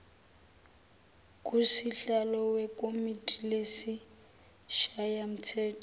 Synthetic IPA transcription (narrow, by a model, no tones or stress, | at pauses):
kʼusiɬalɔwɛkʼomitʼilesi | ʃajam̩t͡sʰɛːtʰʼɔ